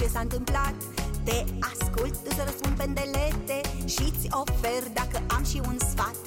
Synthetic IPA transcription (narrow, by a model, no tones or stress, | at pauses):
t͡ʃe̞saɨnt̪ɨmplat̪ːe̞askult̪̚ːusəɾəspund̪pe̞nd̪elet̪e̞ʃit̪sʲo̞ferd̪akəʔamʃiunsfat̪